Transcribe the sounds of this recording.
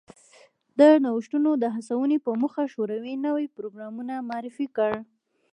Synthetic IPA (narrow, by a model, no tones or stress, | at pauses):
d̪ənawəʃʈunod̪əɦasawənipəmuxaʃoɾawinəwipɾoɡɾɑmunamɑɑɾɪfikəɽ